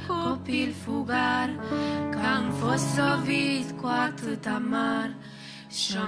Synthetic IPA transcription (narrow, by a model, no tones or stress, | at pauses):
kopilfuɡaɾkaŋfosɔvit̪kwat̪ət̪amaɾ | ʃɔ